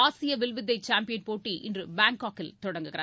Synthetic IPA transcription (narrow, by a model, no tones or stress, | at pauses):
aːsɪjɐʋɪlʋɪd̪ːɐɪt͡ʃaːmpɪjɐnpoːʈːiʔɪ̰ndrɯbaːŋkaːkːɪlt̪ɔɽɐŋɡɯɣɪɾa